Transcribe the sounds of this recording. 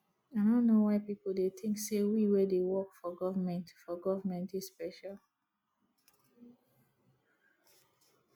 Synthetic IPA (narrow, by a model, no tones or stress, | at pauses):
aɪdõnnːowaɪpipl̩deθʰɪ̃ŋksewiwɛdewɔkfɔɡɔvəmɛ̃ntfɔɡɔvəmɛ̃ntispɛʃalˠ